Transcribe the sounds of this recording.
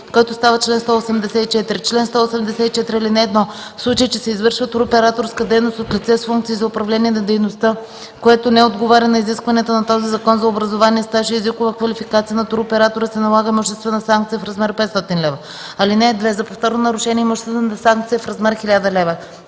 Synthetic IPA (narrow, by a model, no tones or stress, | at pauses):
koɔɛt̪ost̪avɐt͡ʃlɛnst̪ɔosɛmd̪ɛsɛt̪it͡ʃɛt̪ɾit͡ʃlɛnst̪ɔːsɛmd̪ɛsɛt̪it͡ʃɛt̪ɾiɐlinɛːd̪nɔ | fslˠut͡ʃejit͡ʃɛsɛizvɤɾʃvət̪uɾopɛɾat̪oɾskəd̪ɛjnost̪ot̪lʲit̪sɛsfuŋk̚t̪iizɐopɾɐvlʲɛniɛnɐd̪ɛjnost̪ə | koɛt̪onɛod̪ɡovaɾʲɐnɐiziskvɐnit̪ənɐt̪ɔzizɐkɔnzɐobɾɐzovaniɛst̪aʃiːzikʊvəkvɐlʲifikat̪sijənɐt̪ʊɾopɛɾat̪oɾəsɛnɐlˠaɡəmoʃɛst̪vɛnɐsaŋk̚t̪sijəfɾɐzmɛɾpɛt̪st̪ɔt̪inlɛvə | ɐlinɛd̪vɛzɐpoft̪ɔɾnonɐɾʊʃɛniɛmoʒɛst̪vɛnt̪saŋk̚t̪sijɐfɾɐzmɛɾxilʲad̪ɐlɛvə